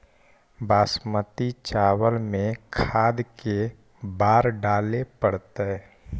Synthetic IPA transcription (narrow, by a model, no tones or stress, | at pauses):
baːsmət̪it͡ʃaːwəlmẽkʰaːd̪ke | baːɾɖaːlepəɽt̪eɛ